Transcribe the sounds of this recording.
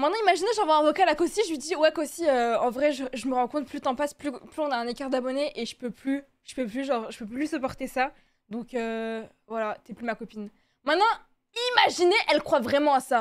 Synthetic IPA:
mɛ̃t̪nɑ̃imaʒineʒɑ̃vɛ̃ɛ̃vɔkalakosiʒəɥid̪iwɛkosiøɑ̃vʁɛʒəʒəməʁɑ̃tkɔ̃t̪plyt̪ɑ̃pasplyplyɔ̃naɛ̃nekaʁd̪abɔneʔeʒə̥pøply | ʒ̥ə̥pøplyʒɑ̃ʁʒəpøplysəpɔʁt̪esa | d̪ɔ̃kø | vwalat̪yɛplymakɔpin | mɛ̃t̪nɑ̃ | imaʒineʔɛlkχwavʁɛmɑ̃asa

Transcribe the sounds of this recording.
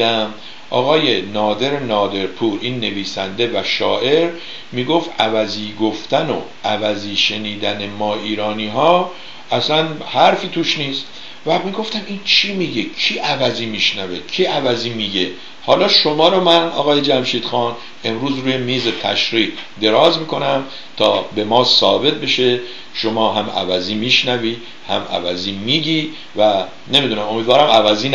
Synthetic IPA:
æm | ʔɒ̰ːɣɒːje̞nɒːd̪e̞ɾenɒːd̪e̞ɾpʰuːɾʔiːnːe̞viːsænd̪e̞væʃɒːʔe̞ɾ | miːɡo̞ft̪ʔævæziːɡo̞ft̪æno̰ʔævæziːʃe̞niːd̪æne̞mɒːiːɾɒːniːɦɒː | ʔæsænhæɾfiːt̪ʰuʃniːst̪ | væmiɡo̞ft̪æmint͡ʃʰimiɟe̞cʰiːʔævæziːmiʃnæved̪̥̚cʰiːævæziːmiːɟe | hɒːlɒːʃomɒːɾomænɒ̰ːɣɒːje̞d͡ʒæmʃiːd̪̥xɒːn | e̞mɾuːzɾuːjemiːzet̪ʰæʃɾiːɡd̪e̞ɾɒːzmiːko̞næm | t̪ʰɒ̰ːbe̞mɒːsɒːbe̞t̪̚be̞ʃe̞ | ʃomɒːɦæmæ̰væziːmiːʃnæviː | hæ̰mæ̰væziːmiːɟiː | væ | ne̞miːd̪unæmo̞miːd̪vɒːɾæmævæziːn

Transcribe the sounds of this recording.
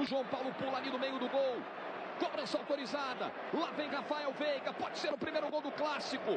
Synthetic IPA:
ʊʒuɐ̃w̃pawlʊpulanid̪ʊmejʊd̪ʊɡow | kɔbɾɐ̃sawt̪oɾizad̪ɐ̰ | lavẽj̃ʁafaɛwvejɡɐpɔd͡ʒɪseɾʊpɾimejɾʊɡowd̪ʊklasikʊ

